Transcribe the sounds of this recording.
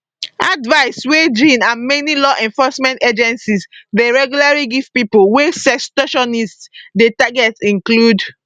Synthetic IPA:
advaɪswed͡ʒĩnãnmenilɔʔɛ̃nfɔsmɛ̃nted͡ʒɛ̃nsisdeɹɛɡjulaɹiɡifpipolwesɛstɔʃɔnisdetaɡɛtsĩŋklud

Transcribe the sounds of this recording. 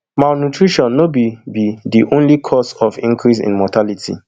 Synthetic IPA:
maʊnutɹiʃɔ̃nːobibidiʔõnlikʰɔsɔfḭ̃ŋkʰɹis̬ḭ̃nmɔtʰalitʰḭ

